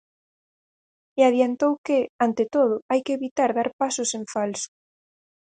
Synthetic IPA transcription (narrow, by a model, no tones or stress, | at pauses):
eaðjant̪owkɪant̪et̪oð̞ʊajkeeβit̪aɾðaɾpasʊseɱfalsʊ̥